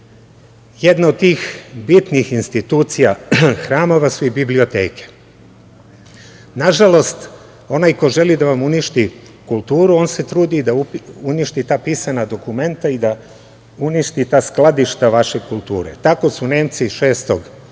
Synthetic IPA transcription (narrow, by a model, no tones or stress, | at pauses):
jed̪naod̪̚t̪iːxbit̪nixinst̪it̪uːt̪sijaxɾaːmo̞ʋasuibiblio̞t̪e̞̰ːke̥ | naʒalo̞st̪ | o̞naːjkoʒe̞lid̪aʋamuniʃt̪i | kulˠt̪uːɾuo̞ːnse̞t̪ɾuːd̪id̪auuniʃt̪it̪aːpisanad̪o̞kume̞nt̪aid̪a | uniʃt̪it̪aːsklˠad̪iʃt̪aʋaʃekulˠt̪ṵːɾḛt̪ako̞sune̞ːmt̪siʃe̞ːst̪o̞ɡ